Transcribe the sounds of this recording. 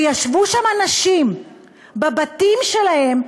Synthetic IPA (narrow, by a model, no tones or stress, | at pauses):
jaʃvuʃamanaʃim | babat̪imʃe̞lahe̞m